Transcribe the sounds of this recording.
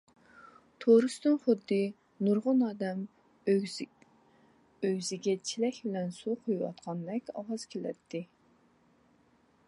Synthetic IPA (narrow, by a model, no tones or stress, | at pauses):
t̪ʰoɾɨst̪ɨnχʊd̪ːɨ | nuɾʁʊnɑːd̪ɛm | øɡʲzɪɡʲɛt͡ʃʰilɛkʲbɪlɛnsuqʰojwɑ̰t̪̚qʰɑnd̪ɛkʲɑ̰wɑz̥kʲʰelɛ̰t̪ʰːɪ